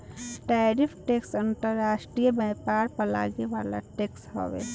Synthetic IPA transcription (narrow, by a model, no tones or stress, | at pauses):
ʈaːɾɪpʰʈeːksə̃nt̪əɾːaːʃʈɾijəbɛːpaːɾpəla̰ːɡeʋaːla̰ʈeːkshɔ̰ʋḛ